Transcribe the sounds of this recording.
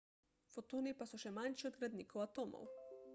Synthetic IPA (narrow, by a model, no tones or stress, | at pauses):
fot̪oːnipasɔʃɛmanʃiɔd̪ɡɾad̪niːkowat̪oːmɔ̰w